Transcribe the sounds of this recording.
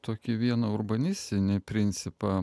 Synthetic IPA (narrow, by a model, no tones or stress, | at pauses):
t̪oːkʲɪʋʲiɛnɐʊrbɐnʲɪsʲt̪ʲɪnʲɪpʲɾʲɪnʲt̪sʲɪpɑ